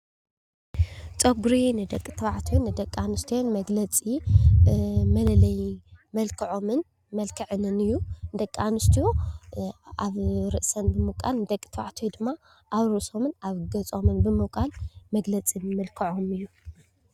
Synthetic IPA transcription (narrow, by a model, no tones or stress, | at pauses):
t͡sʼoɡɾinɨd̪ɐkʼːɨt̪ʰɨβaʕt̪ʰijonɨd̪ɐkʼːanɨst̪ʰijonmɐɡlɐt͡sʼi | mɐlɐlɐjmɐlkʰɐʕo̞mɨn | mɐlkʰɐʕɨnɨnɨjːud̪ɐkʼːanɨst̪ʰijo | aβɾɨʔsɐnbɨmɨkʼalnɨd̪ɐkʼːt̪ʰβa̰ʕt̪ʰjd̪ɨmːa | ʔaβɾɨʔso̞mɨnaβɡɐt͡sʼo̞mɨnbɨmɨkʼalmɐɡlɐt͡sʼimɐlkʰɐʕomɨjːu